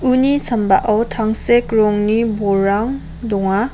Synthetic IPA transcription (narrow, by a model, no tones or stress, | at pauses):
unisʰamba̰ʔawtʰaŋsekɾɔŋnibɔɾaŋ | dɔŋa